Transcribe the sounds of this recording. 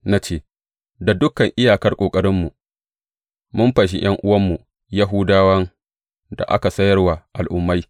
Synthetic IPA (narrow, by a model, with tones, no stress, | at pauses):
na˦t͡ʃeː˦˨ | da˨dʊ˦kːɐ˨ŋʔɪ˦jaː˨kɐ˦rkʷʼoː˨kʼɐ˦ɾɪ˦mːu˨ | mʊ˦mɸɐ˨ʃ̬i˦j̰ɐ˦ŋʔʊ˦wɐ˦mːu˨ | ja˦ɦʊ˦daː˦wɐ˦ŋ | da̰˨ʔa̰˦ka˨sɐ˦jɐ˦rwa˨ʔa˨lʔʊ˨mːa˦j